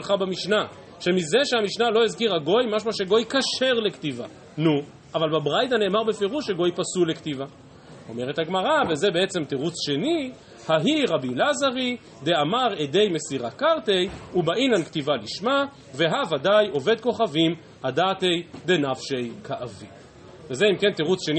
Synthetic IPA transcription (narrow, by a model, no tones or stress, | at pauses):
lχabamiʃna | ʃe̞mize̞ʃeamiʃnalo̞izkiʁaɡo̞jmaʃmaʃeɡo̞jkaʃe̞ʁle̞ktiva̰ | nu | ʔavalbabʁajt̪ane̞ːmaʁbe̞fe̞ʁuʃeɡo̞jpasule̞kt̪iva | o̞meʁet̪aɡmaʁaveze̞beet͡se̞mt̪eʁut͡sʃe̞ni | haɦiʁabilazaʁi | d̪e̞amaʁed̪e̞jme̞siʁakaʁt̪e̞jubaʔinanktivaliʃma | ve̞ɦavadajo̞ve̞d̪̚ko̞χavim | ad̪ate̞jd̪e̞nafʃe̞jkʰaʔavi | vezeimke̞nt̪eʁut͡sʃe̞n